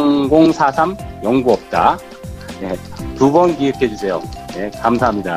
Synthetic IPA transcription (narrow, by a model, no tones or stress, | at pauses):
ŋɡoŋsʰasʰamjʌŋɡuʌp̚t͈a | ne̞tubʌnkiɯkʰe̞d͡ʑusʰe̞joje̞kamsʰaɦamɲida